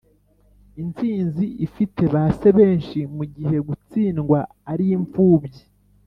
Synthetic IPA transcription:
int͡siːnziʔifitʰe̞βase̞βe̞ːnʃimuɟiɦe̞ɡut͡siːnɡwa | aɾijiɱfuːbji

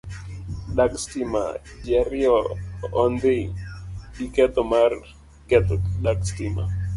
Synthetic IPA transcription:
lakstima̰d͡ʒɛɾjɔː | nd̪ɪ | ikɛt̪ɔmar | kɛt̪lakstima̰

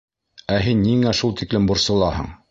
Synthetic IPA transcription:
æɦinːiŋæʃulˠt̪iklɘmbuɾsɤ̆lˠɑɦɤ̰ɴ

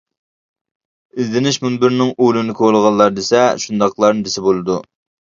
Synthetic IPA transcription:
ɪzd̪ɪnɪʃmunbɪɾnɪŋulˠɨnɪkʲʰolˠəʁɑnˠːɑɾd̪esɛʃund̪ɑqlˠɑɾnɨd̪ɪsɪbolˠɨd̪u

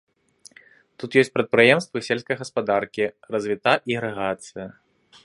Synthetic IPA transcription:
t̪ut̪jɔsʲt͡sʲpɾɐt̪̚pɾɨjɛmst̪vɨsʲelʲskɐjɣɐspad̪arkʲirɐzʲvʲit̪aʔiɣɾɛɣat̪sɨjɐ

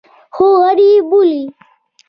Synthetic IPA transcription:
xoɐɾibuli

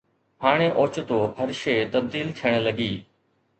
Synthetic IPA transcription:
ɦaːɽ̃eʔoːt͡ʃt̪oːɦəɾʃeːt̪əb̚d̪iːlt̪ʰijəɽ̃ləɡiː

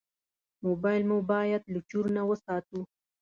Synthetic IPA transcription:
mobɑjlmubɑjad̪lʊt͡ʃuɾnawəsɑt̪u

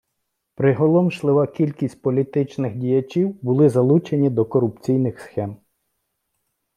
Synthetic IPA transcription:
pɾɪɦɔlˠɔmʃlˠɪʋɐkʲilʲkʲisʲtʲpɔlʲit̪ɪt͡ʃnɪxdʲijɐt͡ʃʲiwbʊlˠɪzɐlˠut͡ʃenʲid̪ɔkɔɾʊpt͡sʲijnɪxsxɛm

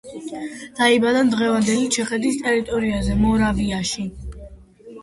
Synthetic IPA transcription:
d̪̥aibad̪and̪ʁɛvand̪ɛlit͡ʃʰɛχɛd̪ist̪ʼɛɾit̪ʼɔɾiazɛmɔɾaviaʃi

